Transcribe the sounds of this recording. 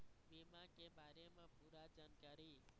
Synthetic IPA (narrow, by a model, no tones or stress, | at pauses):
ʋimãkebaɾemãpuɾad͡ʒankaɾi